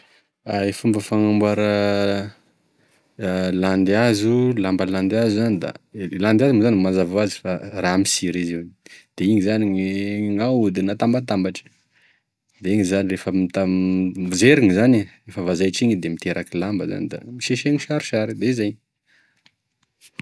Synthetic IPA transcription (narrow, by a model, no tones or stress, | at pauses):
aefumbəfaŋambaɾə | land̪eazulambaland̪azuzanid̪a̰land̪azimuzanimazavoazi̥faramisiɾiziwd̪̥eiɲizaniɲiŋawud̪inat̪ambat̪ambaʈ͡ʂə̥ | d̪eiɲizanirefəmit̪a | zeɾiŋizanirefəvazajʈ͡ʂiɲid̪emit̪eɾʔakilambəza̰nid̪a̰miʃeʃeŋiʃaɾu̥ʃaɾid̪eizajɲ